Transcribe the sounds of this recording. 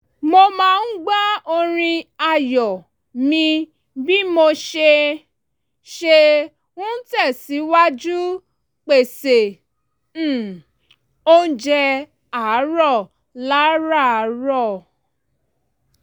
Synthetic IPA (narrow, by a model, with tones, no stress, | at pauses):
mo˧mã˧n̩˦ɡ͡ba˦o˧ɾ̃ĩ˧a˦˨jɔ˨ | mĩ˧ | bi˦mo˧ʃe˧ | ʃe˧ | ũ˦tɛ˦˨si˨˦wa˦d͡ʒu˦ | k͡pe˨se˨ | o˦n̩˦d͡ʒɛ˧ | a˨˦ɾɔ˦˨ | la˦ɾa˦˨˦ɾɔ˦˨